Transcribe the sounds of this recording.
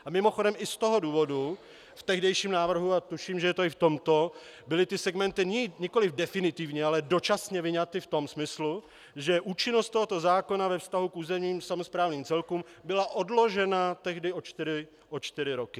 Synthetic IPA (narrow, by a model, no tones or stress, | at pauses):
ʔamɪmo̞xo̞dɛmɪst̪o̞ɦo̞duːvo̞du | ft̪ɛɣdɛjʃiːmnaːvr̩ɦuat̪uʃiːmʒɛjɛt̪oɪft̪o̞mt̪o̞ | bɪlɪt̪ɪsɛɡmɛnt̪ɪɲiɲɛko̞lɪvdɛfɪnɪt̪ɪvɲɛalɛdo̞t͡ʃasɲɛvɪɲat̪ɪft̪o̞msmɪslu | ʒɛʔuːt͡ʃɪnost̪t̪oɦo̞t̪o̞zaːko̞navɛfst̪aɦukʔuːzɛmɲiːmsamo̞spɾaːvniːmt͡sɛlkuːm | bɪlaʔo̞dlo̞ʒɛnat̪ɛɣdɪo̞t͡ʃt̪ɪɾɪ | ʔot͡ʃt̪ɪɾɪɾokɪ